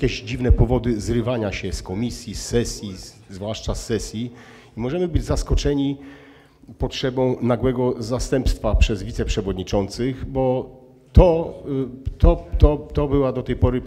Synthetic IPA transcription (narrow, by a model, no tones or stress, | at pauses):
kʲɛʑd͡ʑivnɛpɔvɔd̪ɘzɾɘvaɲaɕɛskɔmʲisʲjisːɛsʲji | zvwaʂt͡ʂasːɛsʲji | imɔʐɛmɘbɘd͡ʑzaskɔt͡ʂɛɲi | pɔtʂɛbɔ̃w̃naɡwɛɡɔzast̪ɛmpst̪fapʂɛzvʲit̪sɛpʂɛvɔd̪ɲit͡ʂɔnt̪sɘɣbɔ | t̪ɔ | t̪ɔt̪ɔt̪ɔbɘwad̪ɔt̪ɛjpɔɾɘ